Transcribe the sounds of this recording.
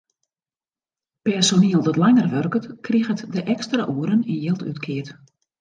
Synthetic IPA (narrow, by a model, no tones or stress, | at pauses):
pɛsoniəlˠdɔtlaŋərʋørkətkʰriɣətdəʔɛkstraʔuəɾəninjelˠty̰tkʰɪət